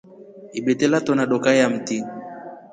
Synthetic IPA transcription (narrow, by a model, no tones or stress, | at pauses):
iɓɛtɛlatɔnaɗɔkajam̩ti